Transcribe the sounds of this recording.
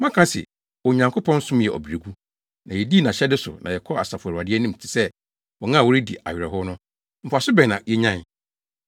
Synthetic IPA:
mã˦kʰã˦sɪ̰˨ | wɔ˨ɲã˨ŋkʰo˦pʰɔ̃˦n̩˦sʊ̃˦m˦jɛ˨ʔɔ̰˨bi˨ɾe˨ɡu˦ | nã˨jɛ˨di˦nã˨ɕɛ˦dɪ˦sʊ̰˨nã̰˨jɛ˨kʰɔ˦a˨sa˨fʊ˨ɛ˨ɾa˨dɪ˦ɛ˦nĩ˦m̩˨tʰɪ̥˨sɛ˦ | wɔ˨ŋã˦˨wɔ˦ɾi˦dḭ˨ʔa̰˨ɥᶣɪ˨ɾɛ˨ɦʊ˦nʊ̃˦ | m̩˨pʰʊ˨a˨sʊ˦bɛ̃˨nã˨jɛ˦ɲã˦˨n˨

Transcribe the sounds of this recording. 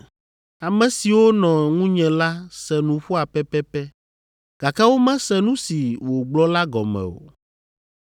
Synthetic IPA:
a˨mɛ̃˨si˨wo˦nɔ̃˨ŋũ˦ɲɛ̃˨la˦sɛ˨nũ˨ɸu˦a˨pɛ˦pɛ˦pɛ˦ | ɡ̥a˨ka˦wo˦mɛ̃˦sɛ˦nũ˦si˨wo˨ɡ͡blɔ˦la˦ɡɔ̰˨mɛ̰̃˨o̰˨

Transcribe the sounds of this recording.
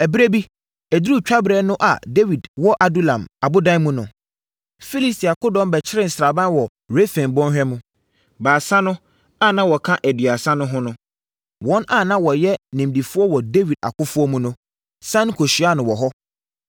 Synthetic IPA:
ɛ˨bɾe˦bi˦ | æ˨du˦˨t͡ɕᶣa˦bɾɛ˨˦nʊ̃˦ʔa̰˨de˦wi˨dwɔ˦ʔa˨du˦lã˨ma˨bʊ˦dã˦n˦mũ˦nʊ̃˨ | fi˦li˦sti˨a˨kʰʊ˦dɔ̃˦m˦bɛ˨t͡ɕʰɪ˦ɾɪ̃˦˨n̩˨sɾa˨bã˦n˦wɔ˨ | ɾe˦fɛ̃˨nbɔ̃˦nɦᶣɛ˦mũ˦ | baː˨sã˦nʊ̃˦ | a˦˨nã˦wɔ˨kʰã˦ʔæ˨dɥa˨sã˦nʊ̃˦ɦʊ̃˦nʊ̃˦ | wɔ̃˦nʔa˦˨nã˦wɔ˨jɛ˦nĩ˨mdi˨fʊ˦ɔ˦wɔ˨de˦wi˨da̰˨kʰʊ˦fʊ˦ɔ˦mũ˦nʊ̃˦ | sã˦n˦kʰo˨ɕi˨a˦˨nʊ̃˨wɔ˨ɦɔ˦

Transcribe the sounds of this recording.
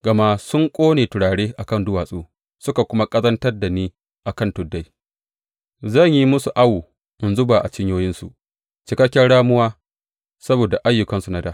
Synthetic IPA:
ɡ̥ɐ˨ma˦sʊ˦ŋkʷʼoː˦neː˨tʊ˨ɽaː˨ɽeː˦ʔa˨kɐ˦ndʊ˦waː˨sʼoː˦ | sʊ˦ka˨kʷʊ˦ma˦kʼɐ˦zɐ˦ntɐ˦rda˨niː˦ | ʔa˨kɐ˦˨ntʊ˨dːa˦j | zɐ˦˨ɲji˦mʊ˦su˨ʔa˦wuː˨ | ʔɪ˨nzʊ˦baː˨ʔa̰˨t͡ʃɪ˦ɲjoː˦jɪ˦nsu˨ʔ | t͡ʃɪ˨kɐ˦kʲːɛ˦nɽaː˦mʊ˦waː˦ | sɐ˦boː˨da˨ʔa˦jːʊ˨kɐ˦nsu˨na˦daː˦ʔ

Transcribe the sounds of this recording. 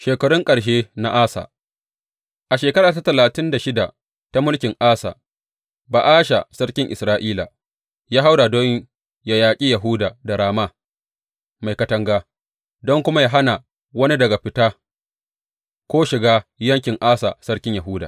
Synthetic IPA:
ʃeː˨kɐ˨ɽʊ˦ŋkʼɐ˨ɽʃ̬eː˦na̰˦ʔaː˦sa̰ː˨ | ʔa˨ʃeː˨kɐ˦ɾaː˨ta˦tɐ˨laː˨tɪ˦nda˨ʃɪ˦da˨ | ta˦mʊ˦lkʲɪ˨ŋʔaː˦sa̰ː˨ | baː˨ʔaː˦ʃa˨sɐ˦ɽkʲɪ˦ŋʔɪ˨sɾaː˦ʔiː˦la̰˨ | jaː˦ɦa˦wda˨do˦ | ja˨jaː˨kʲʼi˦jɐ˨ɦuː˦daː˨da˨ɽaː˨ma˦ | ma˨jkɐ˦tɐ˦ŋɡaː˦ | dɔ˦ŋkʷʊ˦ma˦ja˦ɦa˦na˨ | wɐ˦ni˦dɐ˨ɡa˨ɸɪ˦taː˦ | kʷoː˦ʃɪ˨ɡaː˦jɐ˦ŋkʲɪ˨ŋʔaː˦sa̰˨sɐ˦ɽkʲɪ˦ɲjɐ˨ɦuː˦da̰ː˨

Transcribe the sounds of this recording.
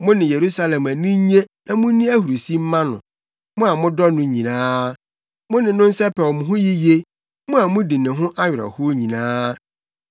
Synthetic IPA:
mʊ̃˦nɪ̃˨je˨ɾu˦sa˦lɛ̃˨ma˨nĩ˦ɲe˦nã˨mʊ̃˦nĩ˦æ˦hu˨ɾu˨si˦m̩˦mã˦nʊ̰̃˨ | mʊ̃˦a˨mʊ̃˦dɔ˦nʊ̃˦ɲĩ˨nãː˦ | mʊ̃˦nɪ̃˨nʊ̃˦n̩˦sɛ˦pɛ˨wɔ˨mʊ̃˨ɦʊ̃˦ji˦je˦ | mʊ̃˦a˨mʊ̃˦di˨nɪ̃˨ɦʊ̃˦ʔa˦ɥɪ˨ɾɔ̰˨hʊ˦ɲĩ˨nãː˦

